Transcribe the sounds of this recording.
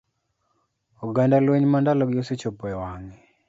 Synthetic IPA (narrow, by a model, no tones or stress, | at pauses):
uɡandalweɲmandalɔɡɪoset͡ʃɔpwɛwaŋi